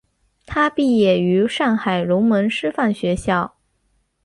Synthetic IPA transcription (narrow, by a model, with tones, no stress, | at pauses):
t̪ʰa˥pi˥˧jɛ˥˩y˧˥ʂɑ˥˩ŋxa˨˩ɪlʊ˧˥ŋmə˧˥nʂɻ̩˥fa˥˩nɕɥɛ˧˥ɕjɑ˥˩ʊ